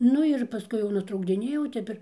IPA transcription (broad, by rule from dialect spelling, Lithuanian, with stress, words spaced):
ˈnʊ ɪr pɐˈskʊɪ jɛʊ nʊtrɐʊɡdʲɪˈnʲeːjɛʊ ˈtʲɛp ɪr